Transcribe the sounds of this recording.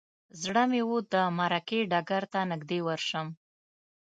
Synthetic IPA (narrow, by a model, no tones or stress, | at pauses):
zɽəmewod̪əmaɾakeɖɑɡaɾt̪anɪɡd̪ewəɾʃəm